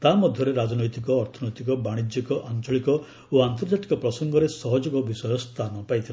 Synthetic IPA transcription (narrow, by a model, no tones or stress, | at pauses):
t̪amɔd̪ʱjɔɾeɾad͡ʒɔnɔjt̪ikɔːɾt̪ʰɔnɔjt̪ikɔbaɽ̃id͡ʒikɔʔant͡ʃɔɭikɔ | oant̪ɔɾd͡ʒaʈi̥kɔpɾɔsɔŋɡɔɾesɔɦɔd͡ʒɔkɔbisɔjɔst̪ʰanɔpajt̪ʰila